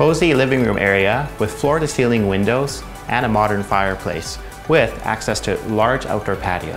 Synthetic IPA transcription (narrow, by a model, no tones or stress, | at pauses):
poʊzilɪvɪ̃ŋɹʉ̰̃mʔɛɹiɨwɨð̥flɔɹɨɾɨsilˠɪ̃ŋwɪ̃ndoʊz | ʔɨ̃ñəmɑɾə̃˞nfaɪə˞pʰl̥ḛɪs | wɪðæ̰ksɛstʰɨ̰lɑɹd͡ʒa̰ʊtə˞pʰæ̰ɾḭ